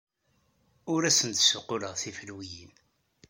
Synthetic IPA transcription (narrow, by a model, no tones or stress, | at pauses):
ʊɾæsənt̪sʊqːʊləʁθifəlwijin